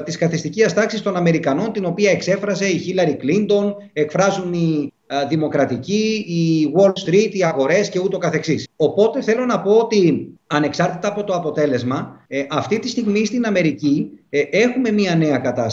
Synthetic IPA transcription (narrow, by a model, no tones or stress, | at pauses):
t̪iskɐθist̪iciɐst̪ɐksist̪o̞nɐme̞ɾikɐno̞nt̪ino̞piɐe̞kse̞fɾɐze̞içilɐɾiklind̪o̞n | e̞kfɾɐzuni | ðimo̞kɾɐt̪iciːwo̞lst̪ɾit̪iɐɣo̞ɾe̞sce̞ut̪o̞kɐθe̞ksiso̞po̞t̪e̞θe̞lo̞nɐpo̞ot̪iɐne̞ksɐɾt̪it̪ɐːpo̞t̪o̞ɐpo̞t̪e̞le̞zmɐʔɐft̪it̪ist̪iɣmist̪inɐme̞ɾicie̞xume̞miɐne̞ɐkɐt̪ɐs